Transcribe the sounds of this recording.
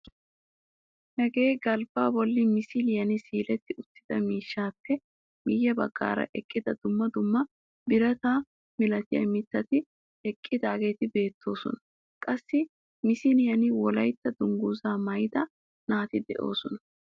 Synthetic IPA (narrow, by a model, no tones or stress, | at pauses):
hɛɡe̞ːɡɐlbaːbɔlːɪmɪsɪljɐnɪsiːlɛt̪ːɪʊt̪ːɪd̪̥ɐmiːʃːaːpːɛ | mɪjːɐbɐɡːa̰ːɾɐ̰ʔɛkʼːɪd̪ɐd̪ʊmːɐd̪ʊmːɐ | bɪɾɐt̪aː | mɪlɐt̪ɪjɐ̰mɪt̪ːɐt̪ɪ | ɛkʼːɪd̪aːɡe̞ːt̪ɪbe̞ːt̪ʰːo̞ːsɔ̰nɐ | kʼɐsːɪ | mɪsɪljɐnɪwɔlɐjt̪ːɐd̪ʊŋɡuːzaːmɐjd̪ɐ | naːt̪ɪd̪ɛ̰ʔo̞ːsɔnɐ